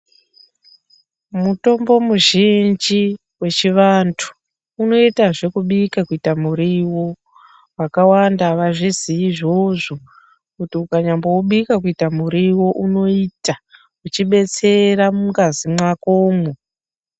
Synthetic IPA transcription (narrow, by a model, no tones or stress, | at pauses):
muto̞mbo̞muʒind͡ʒi | we̞t͡ʃiʋantʰu̥ː | no̞itaʐe̞kuɓikakuitamuɾiwo̞ | wakawandaʋaʐiziiʐo̞ʐo | kutiukaɲambowuɓikakuitamuɾiwo̞ʔuno̞ita | ut͡ʃiɓe̞t͡se̞ɾamuŋɡazimwakoːmu